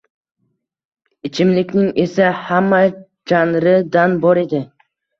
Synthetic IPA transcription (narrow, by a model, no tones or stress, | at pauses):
ɪt͡ʃʰɪmlɪkʲnɪŋe̞sahamːa | d͡ʒanɾɪd̪anbɒɾe̞d̪ɪ